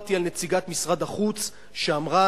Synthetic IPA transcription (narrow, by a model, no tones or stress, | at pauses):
t̪ialne̞t͡siɡat̪misʁad̪aχut͡s | ʃeamʁa